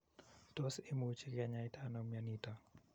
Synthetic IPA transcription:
tɔsɪmut͡ʃekɛɲaɪtanomjanita

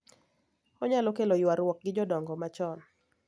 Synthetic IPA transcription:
ɔɲalokelojwaɾwɔk̚ɡɪd͡ʒɔdɔŋɡɔmat͡ʃɔn

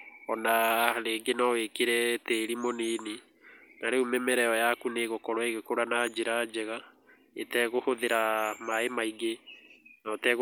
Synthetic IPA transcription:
ɔnaleːŋɡenɔwekeɾɛteːɾimonini | naɾeumɛmɛɾɛɔjakuneɣokɔɾɔeɣekoɾanad͡ʒeɾad͡ʑɛɣa | etɛɣohoðeɾamaemaiɡenɔtɛɣ

